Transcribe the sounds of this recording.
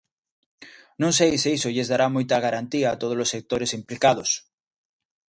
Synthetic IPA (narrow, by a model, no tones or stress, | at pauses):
nõŋs̬ejseisoʎezðaɾamojt̪aɣ̞aɾant̪iaːt̪oð̞olosːek̚t̪oɾesimplikað̞os